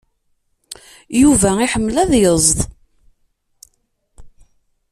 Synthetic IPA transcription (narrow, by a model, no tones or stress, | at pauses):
juvæiħəmːlæðjəzˤð